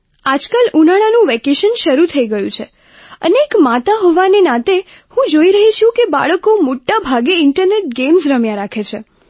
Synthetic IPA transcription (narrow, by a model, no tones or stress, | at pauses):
ad͡ʒkalunaɽ̃anũʋekeʃənʃəɾut̪ʰəiɡəjũt͡ʃʰe | ə̰neːkmat̪aɦɔʋanenãt̪e | hũd͡ʒoiɾəɦit͡ʃʰũkeba̰ɭəkomoʈːabʱaɡeɪɳʈəɾneʈ̚ɡemsɾəmjãɾakʰet͡ʃʰe